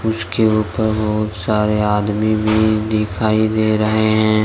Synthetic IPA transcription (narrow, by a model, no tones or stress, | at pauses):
ʊskeuːpəɾbɔɦʊt̪saːɾeaːd̪mibʱid̪ɪkʰaːid̪eːɾɐɦeɦɛ̃ː